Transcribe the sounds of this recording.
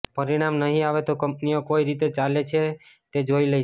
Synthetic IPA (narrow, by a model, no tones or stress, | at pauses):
pəɾiɽ̃amnəɦĩaʋet̪okəmpniokoiɾit̪et͡ʃalet͡ʃʰe | t̪ed͡ʒoiləi